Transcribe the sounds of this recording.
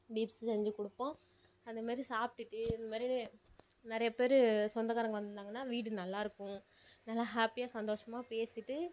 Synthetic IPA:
ɖiːpssɛɲd͡ʒɯkɔɽɯpːõː | ɐnd̪ɐmaːd̪ɾisaːpʈːɯʈːɯɪnd̪ɐmaːd̪ɾi | nɪɾɐjɐpeːɾɯsɔnd̪ɐkaːɾɐŋɡɐʋɐnd̪ɯnd̪aːŋɡɐnːaːʋiːʈ̬ːɯnɐlːaːɪɾɯkːʊ̃nɐlːãːɦaːpijaːsɐnd̪oːʂɐmaːpeːsɪʈːɯ

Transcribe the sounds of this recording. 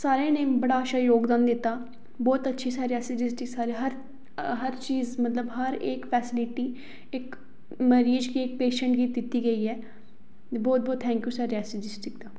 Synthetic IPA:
saːɾẽːnẽːbəɽaːəʃaːjoːɡd̪aːnd̪ɪt̪ːaː | bɔːt̪ətːʃʰiːsaːɾiɛːsɪd͡ʒɪsʈɪksaːɾeɦəɾ | ɦəɾt͡ʃiːzmət̪ləbɦəɾeːkpʰɛːsɪlɪʈiː | ɪk | məɾiːd͡ʒkiːɪk̚peːʃəɳʈɡiːd̪ɪt̪ːiːɡəiːɛː | bɔːt̪̚bɔːt̪ʰɛ̃ːŋkjuːsaːɾiɛːsɪd͡ʒɪsʈɪkd̪aː

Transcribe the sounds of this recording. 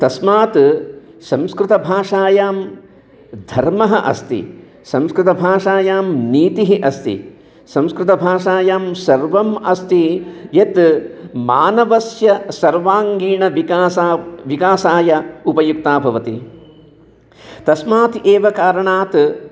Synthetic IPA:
t̪ɐsmaːt̪ | sɐ̃mskɾɪt̪ɐbʱaːʂaːjaːm | d̪ʱɐɾmɐɦɐʔɐ̰st̪ḭ | sɐ̃mskɾɪt̪ɐbʱaːʂaːjaːmniːt̪iɦiʔɐst̪ḭ | sɐ̃mskɾɪt̪ɐbʱaːʂaːjaːmsɐɾʋɐmɐst̪ijet̪maːnɐʋɐsjɐsɐɾʋaːŋɡiːɳɐː | ʋikaːsaːjɐupɐjuk̚t̪aːbʱɐʋɐt̪i | t̪ɐsmaːt̪eːʋɐkaːɾɐɳaːt̪

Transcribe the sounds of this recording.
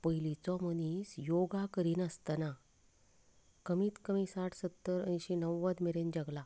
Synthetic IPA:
pəilit͡sɔmənisjoɡakəɾiːnəst̪əna | kəmiːt̪kəmisaʈʰsət̪ːəɾə̰niɕinəʋːəd̪meɾend͡ʑəɡla

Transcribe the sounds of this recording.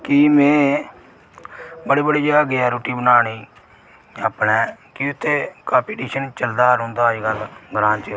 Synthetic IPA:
kiːmẽː | bəɽiːbəɽiːd͡ʒəɡaːɡeɛːɾoːʈiːbənaːɽ̃iː | aːpɳɛːkiʊt̪ʰːeːkaːpiːʈiːʃənt͡ʃəld̪aːɾʊ̃ːnd̪aːd͡ʒɡaːɡɾãːnt͡ʃə

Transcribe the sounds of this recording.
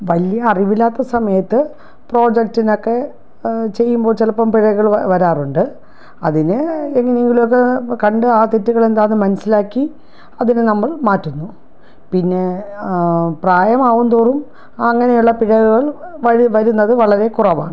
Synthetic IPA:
ʋɐljɐːriʋilːaːt̪ːɐsɐmɐjɐt̪ːɨ | pro̞ːd͡ʑek̚tino̞kːe̞ | t͡ɕe̞jːumbo̞ːɭt͡ɕelɐpːɐmpiɻɐɣuɣɐɭʋɐɾaːruɳɖɨ | ɐðinɨeŋːɐneeŋɡilmok̬ːekɐɳɖɨaːt̪itːuɣɐɭe̞nd̪aːnːɨmɐnɐsilaːkːi | ɐðinɨnɐmːɐɭmaːtːunːu | pinːe̞ | praːjɐmaːʋund̪oːrum | ɐŋːɐnejuɭːɐpiɻɐɣuɣɐɭʋɐʋɐɾunːɐðɨʋɐɭɐɾe̞kurɐʋa̰ːɳɨ

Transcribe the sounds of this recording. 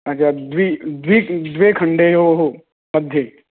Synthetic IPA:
ɐtːt͡ʃʰaːd̪ʋid̪ʋid̪ʋekʰəɳɖeɦoɦo | məd̪ʱje

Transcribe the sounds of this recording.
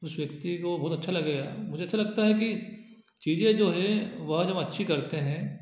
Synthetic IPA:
ʊsʋjɐk̚t̪ikobɔːt̪ɐtːʃʰalɐɡeamʊd͡ʒʱeɐtːʃʰalɐɡ̚t̪aɦɛk̬i | t͡ʃiːzẽd͡ʒoːɦɛ̃ʋɐɦd͡ʒɐmɐtːʃʰikɐɾt̪eɦɛ̃ː

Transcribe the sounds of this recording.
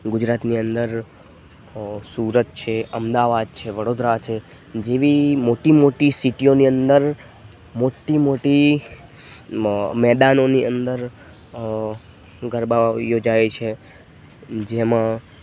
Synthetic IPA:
ɡʊd͡ʒɾat̪niənd̪əɾ | suɾət̪̚t͡ʃʰeəmd̪aʋad̪̚t͡ʃʰeʋəɽod̪ɾat͡ʃʰe | d͡ʒeʋimoʈimoʈisiʈioniənd̪əɾ | moʈːimoʈi | mɛd̪anoniənd̪əɾ | ɡəɾbajod͡ʒajet͡ʃʰe | d͡ʒemã

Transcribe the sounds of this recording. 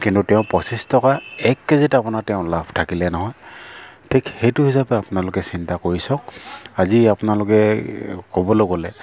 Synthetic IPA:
kintutɛʊ̃pɹɔsistɔkaɛkːezitapʊnatɛʊ̃lapʰtʰakilɛnɔɦɔjtʰikxejtʊɦisapɛapʊnalʊkɛsintakoɹisɔ̃kaziapʊnalʊkɛkobɔloɡɔlɛ

